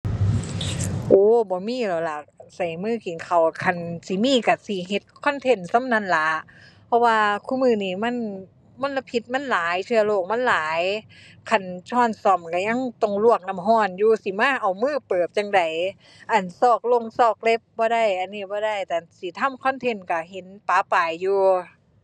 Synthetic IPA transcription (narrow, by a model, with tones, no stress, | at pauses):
ʔoː˧˦bɔː˨˦miː˧˥˨la˨˩la˧˩sa˨˩jmɯː˧˥˨ki˨˩˦nkʰa˨˩wkʰa˧˩nsi˨˦miː˧˥˨ka˧˩si˨˦ɦe˧˦t̪̚kʰɔ˧˥˨nt̪ʰe˧˩nsa˧˥˨mna˧˥˨nla˧˦ | pʰɔ˧˥waː˧kʰuː˧˥˨mɯː˧˨niː˧˩ma˧˥˨n | mo˧˥˨nla˧pʰi˧˦t̪̚ma˧˥˨nlaː˨˦jt͡ɕʰɯ˧loː˧˩k̚ma˧˥˨nlaː˨˦j | kʰa˧˩nt͡ɕʰɔː˧˥˩nsɔ˧˩mka˧˩ɲa˧˥˨ŋt̪o˧˩ŋlu˧˩ək̚na˧˥˨mɦɔː˧˩njuː˧si˨˦maː˧˥˨ʔa˨˩wmɯː˧˩˨pɤː˨˩p̚t͡ɕa˧ŋda˨˩j | ʔa˨˩nsɔː˧˩k̚lo˧˨ŋsɔː˧˩k̚le˧˥p̚bɔː˧˦da˧˩˨jʔa˧˨nːiː˧˩bɔː˧˦da˧˩˨jt̪ɛː˨˩si˨˦t̪ʰa˧˥˨mkʰɔ˧˥˨nt̪ʰe˧˨nka˧˩ɦe˨˦npaː˨˧˦paː˨˩jːuː˧